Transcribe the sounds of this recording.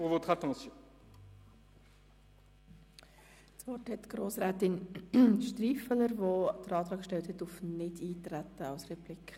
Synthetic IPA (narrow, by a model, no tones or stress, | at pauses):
ovot̪χɑt̪ɑ̃sjɔ̃ | svɔrthɛtɡ̥ɾoːsɾæːt̪ɪnʃtriːfələɾvod̥əɾɑːt̪ɾɑːkʃtɛlt̪hɛtufnɪdiːt̪ɾætːəɑwsrɛplikʰ